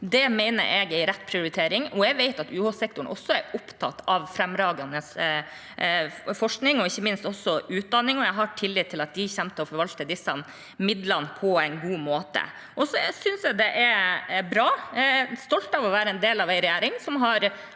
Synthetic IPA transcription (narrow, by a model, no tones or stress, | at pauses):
d̪ɛmɛɪnə̰ɾɛɡɛɪɾɛt̪ːpʰɾɪʊɾɪt̪ʰeːɾɪŋɔɛɡʋɛɪt̪ɑt̪ʉːhɔsɛk̚t̪ʊɳʔɔ̰sːɔæɾʊpt̪ʰɑ̰t̪ːɑʋfɾɛmɾɑːɡɑnəs | fɔʂknɪŋɔɪçːəmɪnst̪ɔsːɔʉːt̪̚d̪ɑnːɪŋɔɛɡɦɑʈʰɪlːɪːt̪ʰːɪlɑt̪̚d̪ɪçɛmt̪əɔfɔɾʋɑlt̪əd̪ɪsːɑ | mɪd̪lɑnpʰɔɛɪnɡuːmoːt̪ə̰ | ʔɔsɔsʏnsjæɡd̪ɛʔæɾbɾɑːst̪ɔlt̪ɑʋɔʋæːɾəɛnd̪eːlɑʋæɪɾɛjæːɾɪŋsɔmɦɑɾ